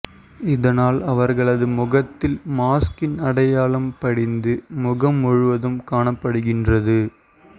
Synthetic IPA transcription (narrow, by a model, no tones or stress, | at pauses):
ɪðɐnaːlɐʋɐɾɣɐɭɐðɯmʊɣɐt̪ːɪlmaːskɪnɐɽɐjaːlɐmpɐɽɪnd̪ɯmʊɣɐmɔɻɯʋɐðɯmkaːɳɐpːɐɽɯɣɪndrɐðɯ